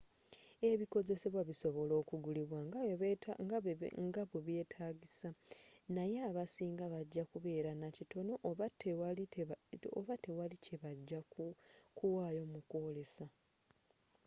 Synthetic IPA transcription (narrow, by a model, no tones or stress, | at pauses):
e̞βiko̞ze̞se̞βwaβiso̞βo̞lo̞ːkuɡuliβwaɡɡŋɡaβweβje̞ːtʰaːɟisanajeaβasiːŋɡaβaɟːakuβe̞ːɾanacito̞no̞ʔte | oβate̞walicʰe̞βaɟːa | kuwaːjo̞muko̞le̞sa